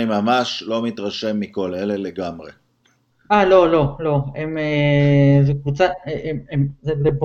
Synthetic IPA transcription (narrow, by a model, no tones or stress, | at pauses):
imamaʃlo̞mit̪ʁaʃe̞mːiko̞leleleɡamʁe | alo̞lo̞lo̞emezekvut͡saememzeleb